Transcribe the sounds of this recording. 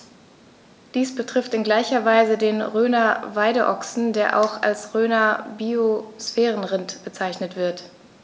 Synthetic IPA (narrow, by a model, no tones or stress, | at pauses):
d̥iːsb̥ətʁ̥ɪftɪnɡlaɪçɐvaɪzədeːnʁøːnɐvaɪɾəʔɔksn̩deːɐʔa̰ʊxa̰lsʁøːnɐbiosfɛːʁ̞ənʁɪntb̥ət͡saɪçnətv̥ɪɐt